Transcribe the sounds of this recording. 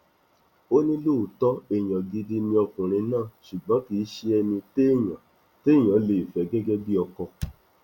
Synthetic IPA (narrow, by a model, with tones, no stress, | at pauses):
o˦nĩ˦lo˦˨tɔ˦e˨j̃ã˨ɡi˧di˦nĩ˧ɔ˧kũ˨ɾ̃ĩ˧nãː˦˨ʃu˨ɡ͡bɔ̃˨˦ki˨˦ʃe˧ɛ˧nĩ˧te˦˨j̃ã˨ | te˦˨j̃ã˨˦le˨i˨fɛ˨˦ɡɛ˦ɡɛ˦bi˦ɔ˧kɔ˧